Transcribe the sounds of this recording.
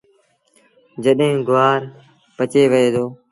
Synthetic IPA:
d͡ʒəɗɦẽːɡʊʋaːɾ | pət͡ʃeːʋəeːd̪oː

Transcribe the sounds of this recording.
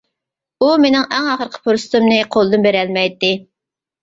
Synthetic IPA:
umenɪŋɛŋɑχəɾqʰə̥pʰoɾsɨ̥t̪umnɨqʰolˠɨd̪ɨnbeɾɛlmɛjt̪ːɪ

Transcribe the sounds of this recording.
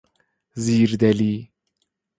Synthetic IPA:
ziːɾd̪ɛliː

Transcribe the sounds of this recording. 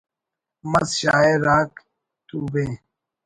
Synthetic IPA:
mɐsɕaːeɾaːk | t̪uːbẽː

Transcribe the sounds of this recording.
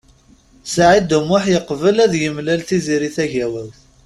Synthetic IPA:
saʕid̪umːʊħjəqːvəlæðjəmlælθiziɾiθæʝæwælθ

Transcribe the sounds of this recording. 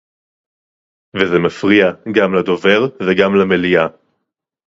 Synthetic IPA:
vezemafʁiaɡamlad̪ove̞ʁveɡamlamelia

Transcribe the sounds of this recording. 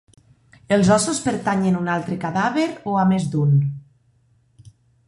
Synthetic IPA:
elˠzɔsospeɾt̪aɲenunalˠt̪ɾekaðaβeɾoamezd̪un

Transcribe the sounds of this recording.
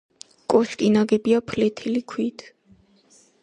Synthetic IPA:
kʼɔʃkʼinaɡɛbiapʰlɛt̪ʰilikʰwit̪ʰ

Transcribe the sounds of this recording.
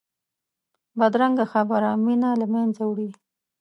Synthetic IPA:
bad̪ɾaŋɡaxabaɾaminalamanzawɽi

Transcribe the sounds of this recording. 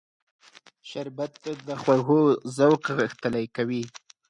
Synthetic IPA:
ʃaɾbat̪ːad̪əxwaɣozawqɣəxt̪əlajkawi

